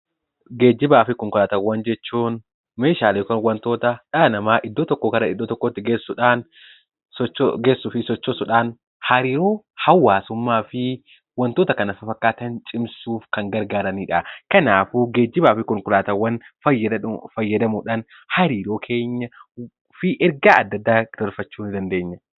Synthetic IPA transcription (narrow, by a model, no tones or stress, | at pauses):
ɡeːd͡ʒːɪbaːfɪkɔŋkʊlaːt̪ɐwːɐnd͡ʒɛt͡ʃːuːn | meːʃaːleːkɔnwɐnt̪oːt̪ɐᶑɐnɐmaːʔɪd̪ːoːt̪ɔkːɔkɐɾɐɪd̪ːot̪ɔkːɔt̪ːɪɡeːsːʊᶑaːn | sɡeːsːʊfɪsɔt͡ʃːɔsʊᶑaːn | hɐɾiːɾoː | hɐwːaːsʊmːaːfɪ | wɐnt̪oːt̪ɐkɐnɐfɐfɐkːaːt̪ɐnt͡ʃʼɪmsuːfkɐŋɡɐɾɡaːɾɐniːᶑɐkɐnaːfuːɡeːd͡ʒːɪbaːfɪkɔŋkʊlaːt̪ɐwːɐnɐjɐɐfɐjːɐd̪ɐmuᶑan | hɐɾiːɾoːkʰe̞ːɲːɐ | fɪʔɛɾɡaːʔɐd̪ːɐd̪ːaːd̪̥ɐɾfɐt͡ʃːuːnd̪ɐnd̪e̞ːɲːɐ